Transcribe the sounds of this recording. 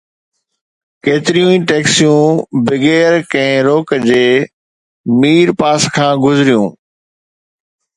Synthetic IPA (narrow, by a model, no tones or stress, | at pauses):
keːt̪ɪɾijũĩːʈeːksijũːbɪɡeːɾkɛ̃ɪ̃ɾoːkd͡ʑeː | miːɾpaːskʰãːɡʊzɾijṵ̃ː